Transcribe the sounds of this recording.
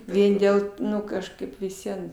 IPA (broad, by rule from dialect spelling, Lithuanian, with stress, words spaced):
ˈʋʲiɛn dʲeːlˠ ˈnʊ kɐʃˈkɐɪp ʋʲɪs ˈʋʲiɛn